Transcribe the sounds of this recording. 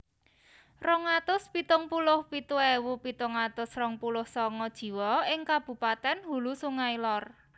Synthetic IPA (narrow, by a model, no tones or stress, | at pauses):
rɔŋat̪ʊspit̪ʊŋpulʊhpit̪uɛwupit̪ʊŋat̪ʊsrɔŋpulʊhsɔŋɔd̥ʒ̥i̤wɔɪŋkab̥ṳpat̪ɛnhulusuŋailɔr